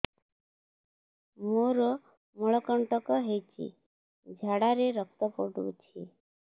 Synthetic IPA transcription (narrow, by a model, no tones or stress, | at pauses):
moɾɔ | mɔɭɔkəɳʈəkɔɦet͡ɕḭ | d͡ʑʱaɽaɾeɾək̚t̪əpɔʈṵt͡ɕʰḭ